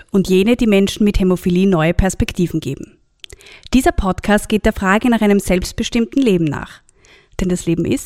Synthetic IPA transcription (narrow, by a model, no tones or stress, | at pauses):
ʔʊntjeːnəd̥iːmɛnʃn̩mɪthɛmofiliːnɔʏəpʰɛɐspɛktʰiːvn̩ɡ̥eːbm̩ | d̥iːzɐpʰɔtkʰaːst̚ɡ̥eːt̚d̥ːɐfʁ̥aːɡənaːχʔæɪnəmz̥ɛlpst̚b̥əʃtɪmtn̩leːbm̩na̰ːχ | d̥ɛndasleːbm̩ʔɪ̰st